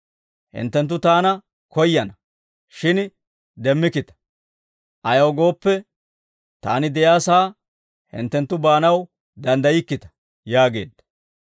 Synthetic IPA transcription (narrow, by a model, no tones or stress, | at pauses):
hɪ̰nt̪ːɛnt̪̬ːʊt̪aːnɐ | kɔjːɐnɐ | ʃɪn | d̪ɛmːɪkɪt̪ɐ̥ | ʔɐjɐwɡo̞ːpːɛ | t̪a̰ːnɪd̪ɛjaːsaː | hɪ̰nt̪ːɛnt̪ːʊbaːnɐw | d̪ɐnd̪ɐjɪkːɪt̪ɐ̥ | jaːɡe̞ːd̪ːɐ